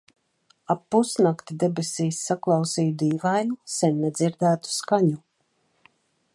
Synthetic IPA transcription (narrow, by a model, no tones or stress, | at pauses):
apːusnakt̪id̪ɛbesiːsːaklˠɑwsiːjud̪iːvajnusɛnːɛd̪ziɾd̪æːt̪u̥skaɲu